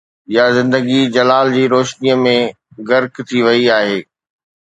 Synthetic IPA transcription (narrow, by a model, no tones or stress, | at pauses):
jazɪ̃nd̪əɡid͡ʑɐlaːld͡ʑiːɾoːʃnijəmẽ | ɡɐɾkt̪ʰiʋɐiaːɦeː